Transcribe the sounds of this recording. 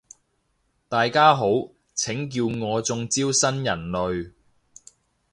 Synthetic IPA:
t̪aː˨jkaː˥ɦo˨˥w | t͡sʰɪ˨˥ŋkiː˧wŋɔː˨˧t͡sʊ˧ŋt͡siː˥wsɐ˥njɐ˨˩nlɵ˨ɥ

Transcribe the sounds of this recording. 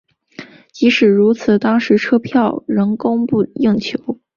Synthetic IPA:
t͡ɕi˧˥ʂɻ̩˨˩ɻu˧˥t͡sʰɹ̩˨˩t̪ɑ˥ŋʂɻ̩˧˥ʈ͡ʂʰɤ˥pʰjɑ˥˩ʊɻɤ˧˥ŋkʊ˥ŋpu˥˩ji˥˩ŋt͡ɕʰjo˧˥ʊ

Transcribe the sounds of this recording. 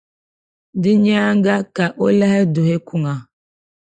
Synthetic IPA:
dɪ˦ɲ˦a˦ŋ˦ɡa˦ka˨ʔo˦le˦ɦe˦dʊ˨ɦe˦kʷu˦ŋa˨

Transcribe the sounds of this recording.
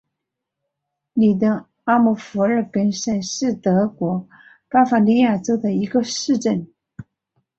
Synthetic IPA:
ni˨˩d̪ə˧˥ | a˥mu˨˩fu˧˥ə˞˥˩kə˥nʂə˥˩nʂɻ̩˥˩t̪ɤ˧˥kwɔ˧˥ | pa˥fa˧˩li˥˧ja˥˩ʈ͡ʂo˥ʊd̪ə˨i˧˥ɡə˧ʂɻ̩˥˧ʈ͡ʂə˥˩n

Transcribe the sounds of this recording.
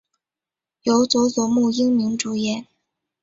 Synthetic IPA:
jo˧˥ʊt͡swɔ˧˥t͡sɔ˨˧˥mu˥˩i˥ŋmi˧˥ŋʈ͡ʂu˧˥jɛ˨˧˩n

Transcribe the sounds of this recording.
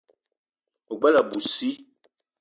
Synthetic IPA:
o˨ɡ͡ba˦la˨bu˨si˦

